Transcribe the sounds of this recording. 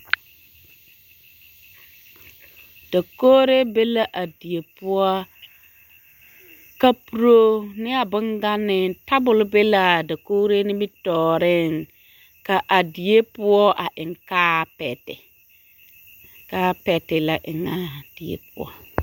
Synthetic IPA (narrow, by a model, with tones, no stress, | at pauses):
d̥a˨koː˦ɾe˦be˦la˨˦ʔa˨di˨je˨pʊ˦ɔ˦ | ka˦pu˨ɾo˦nɪ˦a˨bɪ˦ŋɡa˦nɪ˨ta˦bʊ˨lʊ˦be˦la˨da˨koː˦ɾe˦nɪ˦bi˦tɔː˨ɾɪ˦ŋ | ka˨ʔa˨di˨je˦pʊ˦ɔ˦ʔa˨ʔɪ˨ŋkaː˦pɛ˨tɪ̰˨ | kaː˦pɛ˨tɪ˨la˨ʔɪ˨ŋa˨d̥i˨ḛ˨pʊ˦ɔ̰˦